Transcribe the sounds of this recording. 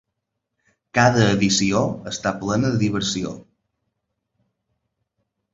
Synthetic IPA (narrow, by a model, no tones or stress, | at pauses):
kaðəːðisioəst̪aplɛnəðəðiβ̞əɾsio̰